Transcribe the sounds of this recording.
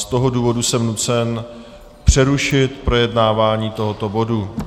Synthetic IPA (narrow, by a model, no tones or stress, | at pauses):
st̪o̞ɦo̞duːvo̞dusɛmnut͡sɛn | pr̝̥ɛɾuʃɪt̪pɾo̞jɛdnaːvaːɲiːt̪o̞ɦo̞t̪o̞bo̞du